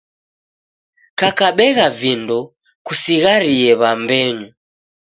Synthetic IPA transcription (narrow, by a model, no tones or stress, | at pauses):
kakaɓɛɣavindɔ | kusiɣaɾiɛβambɛŋu